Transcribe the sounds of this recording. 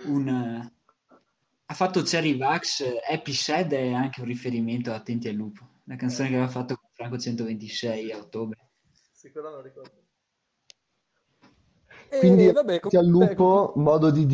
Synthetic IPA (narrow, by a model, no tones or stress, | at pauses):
un | afːat̪ːot͡ʃɛɾivaksɛpisɛd̪ɛaŋk̟eunrifeɾiment̪oat̪ːɛnt̪ialːuːpo | lakant̪soːnekeavafːat̪ːokoɱfɾaŋkot͡ʃɛnt̪ovent̪isɛjaot̪ːoːbɾe | kwind̪it̪ialːuːpomɔːd̪od̪id̪